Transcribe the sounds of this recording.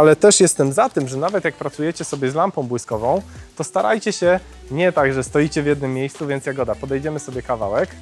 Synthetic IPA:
alɛt̪ɛʂjɛst̪ɛmzat̪ɘmʐɛnavɛt̪jak̚pɾat̪sujɛt͡ɕɛsɔbʲjɛzlampɔ̃w̃bwɘskɔvɔ̃w̃t̪ɔst̪aɾʔa̰jt͡ɕɛɕɛ | ɲɛt̪aɡʐɛst̪ɔit͡ɕɛvjɛd̪nɘmːʲjejst̪suvʲjɛnt̪sjaɡɔd̪apɔd̪ɛjd͡ʑɛmɘsɔbʲjɛkava̰wɛk

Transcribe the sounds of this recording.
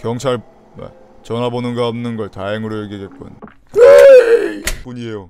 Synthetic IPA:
kjʌŋt͡ɕʰaɭ | wḛ | t͡ɕʌnɦabonɯnɡaʌmnɯnɡʌɭtajeŋɯɾojeɡiɡet̚k͈oʌ̰ɲ | e | p͈uɲiejo

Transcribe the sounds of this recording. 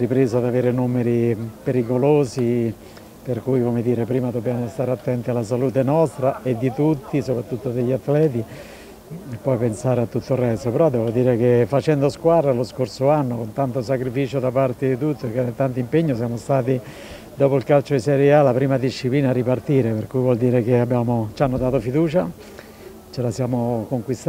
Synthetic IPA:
ripɾeːzad̪aveːɾenumeɾipeɾikoloːsi | perkujkomɪd̪iːɾepɾiːmad̪objamost̪aːɾeat̪ːɛnt̪ialːas̬aluːt̪enɔst̪ɾaed̪ːit̪ut̪ːisopɾat̪ːut̪ːod̪eʎːiat̪ːlɛːt̪̬i | pːɔjpensaːɾeat̪ːut̪ːorːɛst̪opɛɾɔd̪ːɛːvod̪iːɾek̟efat͡ʃɛnd̪oskwad̪ɾaloskorsoanːokont̪ant̪os̬akɾifiːt͡ʃod̪apart̪ed̪it̪ut̪ːoekːed̪at̪ːant̪impeɲːos̬jamost̪aːt̪i | d̪ɔːpoilkalt͡ʃoisɛɾɛalapɾiːmad̪iʃːipliːnarːipart̪iːɾepeɾkujvwɔld̪iːɾek̟eabːjaːmot͡ʃanːod̪aːt̪ofid̪uːt͡ʃa | t͡ʃelasjaːmokoŋkwist̪

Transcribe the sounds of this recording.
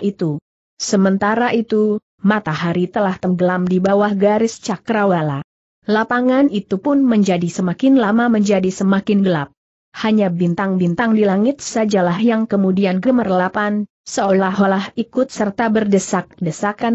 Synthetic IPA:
it̪u | səmənt̪aɾaʔit̪u | mat̪aɦaɾit̪əlaht̪əŋɡəlamdibawahɡaɾɪst͡ʃakɾawala | lapaŋanit̪upʊnməɲd͡ʒadisəmakɪnlamaməɲd͡ʒadisəmakɪnɡəlap̚ | haɲabint̪aŋbint̪aŋdilaŋɪt̪̚sad͡ʒalahjaŋkəmudianɡəmərlapan | səollaɦolahikʊt̪̚sərt̪abərdəsak̚dəsakan

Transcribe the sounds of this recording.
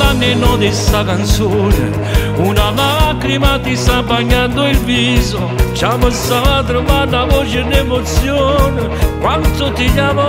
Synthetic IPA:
anːɪnɔd̪ɪsakant̪sonḛ | unalakɾimat̪isabaɲːand̪oilvizo | t͡ʃaməsaat̪̬ɾovaɾnavɔt͡ʃed̪emot̪sjon | kwant̪ot̪ɪʎama

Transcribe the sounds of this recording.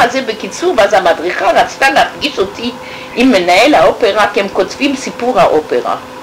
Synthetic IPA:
azebekit͡suʁvazamadʁiχaʁat͡st̪aleafɡiʃo̞ti | ʔimːe̞nae̞lhao̞pe̞ʁakihemko̞tvimsipuʁhaʔope̞ʁa̰

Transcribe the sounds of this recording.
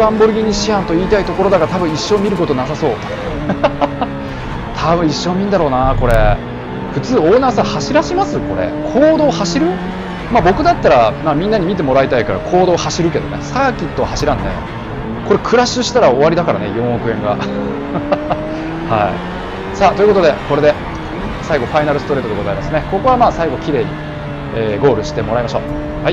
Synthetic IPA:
ãmbo̞ɾɯ̟ɡʲiɲ̟ːiɕiãnt̪o̞iːt̪ait̪o̞ko̞ɾo̞d̪aɡaɾat̪abɯ̟̃ɰ̃iɕːo̞mʲiɾɯ̟ko̞t̪o̞nasaso̞ː | t̪ʰabɯ̟̃ɰ̃iɕːo̞ːmʲĩnd̪aɾo̞ːnako̞ɾe̞ | ɸɯ̟t͡sɨːo̞ːnasahaɕiɾaɕimasɨko̞̰ɾḛkʰo̞ːd̪o̞ːhaɕiɾɯ̟ | maːbo̞kɯ̟d̪at̪ːaɾamaːmʲĩnːaɲ̟imʲit̪̬e̞mo̞ɾait̪aikaɾa̰kʰo̞ːd̪o̞ːhaɕiɾɯ̟ke̞d̪o̞̰nesaːkʲit̪ːo̞haɕiɾãnːḛ | ko̞ɾe̞kʰɯ̟ɾaɕɨɕi̥t̪aɾao̞βaɾʲid̪akaɾa̰ne̞̰jõ̞ɰ̃okɯ̟ẽ̞ŋɡa | haḭ | saːt̪oiɯ̟kood̪e̞ko̞ɾe̞d̪e̞ | saiɡo̞ɸainaɾɯ̟sɨ̥t̪o̞ɾe̞ːt̪od̪eɡo̞zaimasɨneko̞ko̞βamaːsaiɡo̞kʲiɾe̞ːɲ̟ḭ | eːɡo̞ːɾɯ̟ɕi̥t̪e̞mo̞ɾaimaɕo̞ː | haj

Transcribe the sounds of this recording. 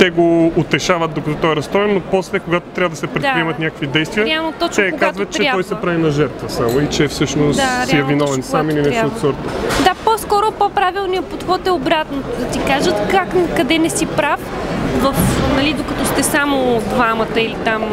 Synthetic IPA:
t̪ɛɡoːt̪ɛʃavət̪̚d̪okɐt̪ɔt̪ɔjɾɐst̪ɔɛnːopɔslɛkoɡat̪o̥t̪ɾʲavəd̪ɐsɛpɾɛt̪ɾiɛmɐt̪nʲakə̥kvid̪ɛjst̪viəɾɛalˠnot̪ɔɛkoɡkaazvɐt̪t͡ʃ̪ɾɛatɔjsɛpɾavinɐʒɛɾt̪vəsamoit͡ʃɛfsɤʃnosd̪aiɛvinɔvɛnsamilinɛsiot̪sɔɾt̪əd̪aposkɔɾopopɾavilˠnijɐpot̪xɔt̪ɛobɾat̪nod̪ɐt̪ikaʒət̪kak̪kɐd̪ɛnɛsipɾafvɐfnɐlid̪okɐt̪ɔst̪ɛsamod̪vamɐt̪əilit̪am

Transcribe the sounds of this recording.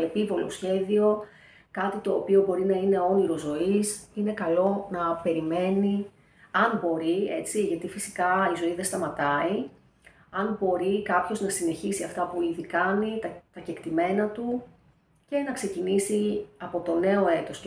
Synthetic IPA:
epivo̞lo̰sçe̞ðio̞ | kɐt̪it̪o̞ːpio̞bo̞ɾinɐine̞o̞niɾo̞zo̞isine̞kɐlo̞nɐpe̞ɾime̞ni | ɐnbo̞ɾiet͡siʝɐt̪ifisi̥kɐizo̞iðest̪ɐmɐt̪ɐi | ɐnbo̞ɾikɐpço̞znɐsine̞çisiɐft̪ɐpuiðikɐnit̪ɐt̪ɐce̞kt̪ime̞nɐt̪u | ce̞nɐkse̞cinisiɐpo̞t̪o̞ne̞o̞e̞t̪o̞s

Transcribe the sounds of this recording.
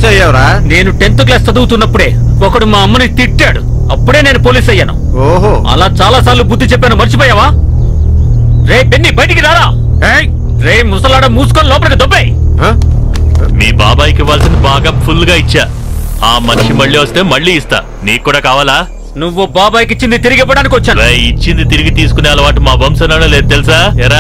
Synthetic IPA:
ejaɾane̞ːnuʈent̪uk̬laːst͡ʃɐd̪ukut̪unːɐpːuɽe̞ːɔkɐɽumaːɐmːɐnit̪iʈːaːɽṵ | ɐpːuɽeːne̞ːnupoːliːsɐjːaːnṵ | oɦɐ̰laːt͡ʃaːlaːsaːɾlubuːd̪ːit͡ʃepːeːnumɐnt͡ʃipɔːjaːʋaː | ɾepenːibɐjʈikiɾaːɾaː | e | ɾeːjmusɐlaːɽɐmːuːsu̥konɐlɔːpɐnɐkid̪obːeːj | mḭːba̰ːbaːjkiʋːaːlsind̪ibaːɡaːpʰulːɡaːit͡ʃːaːaːmɐniʂimɐɭːiːʋɐst̪e̞ːmɐɭːiːst̪a̰ː | niːkːuːɽaːkaːʋaːlaː | nuʋːubaːbaːjik̬it͡ʃːind̪it̪iɾiɡipɔːɽaːnikiʋɐt͡ʃːaːnɾeːit͡ʃːind̪it̪iɾiɡit̪iːs̬u̥kuneɐlɐʋaːʈumaːbɐmsɐnaːɽɐleːd̪ut̪elis̬aːɛɾa

